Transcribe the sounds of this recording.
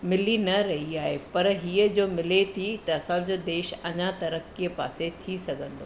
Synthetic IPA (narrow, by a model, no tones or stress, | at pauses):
mɪlinɐɾɐɦiaːɦepɐɾɦiːəd͡ʑoːmɪlet̪ʰit̪ɐːsãd͡ʑoːd̪eːʃɐɲat̪ɐɾəkːijəpa̰ːset̪ʰisɐɡʱə̃nd̪oː